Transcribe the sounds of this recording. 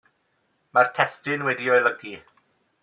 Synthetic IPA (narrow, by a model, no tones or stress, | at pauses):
martʰɛstɪnwɛdiɔjləɡi